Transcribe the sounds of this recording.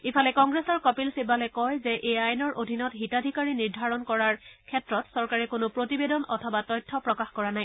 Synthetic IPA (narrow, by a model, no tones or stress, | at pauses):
ipʰalɛkɔŋɡɹesɔɹkɔpilsebalɛkɔjzɛʔeajnɔɹʔodʱinɔtɦitadʱikaɹiniɹdʱaɹɔnkɔɹaɹkʰɛtɹɔtsɔɹkaɹɛkonʊpɹotibedɔnɔtʰɔbatɔjtʰːɔpɹɔkaxkɔɹanaj